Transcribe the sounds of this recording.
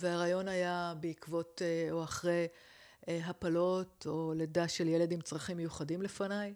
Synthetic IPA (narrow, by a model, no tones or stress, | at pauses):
veaʁajo̞najabeikvo̞toaχʁej | ɦapalo̞to̞ledaʃeljele̞dimt͡sʁaχimːejuχadimle̞fanaj